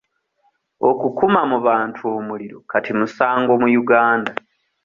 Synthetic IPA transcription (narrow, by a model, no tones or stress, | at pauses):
o̞kukumamuβaːntʰuoːmuliɾo̞katimusaːŋɡo̞mujuɡaːnda